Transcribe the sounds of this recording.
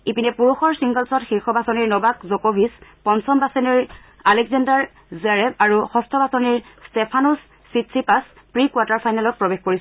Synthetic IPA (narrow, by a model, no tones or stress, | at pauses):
ipinɛpuɹuxɔɹsiŋɡɔlsɔtxixɔbasɔniɹnɔbakzokobʱispɔnsɔmbasɔniɹ | alɛɡzandaɹ | zɛɹɛbaɹuxɔstʰɔbasɔniɹstepʰanusː | itsipas | pɹikwataɹpʰajnalɔt̚pɹɔbexkoɹisɔ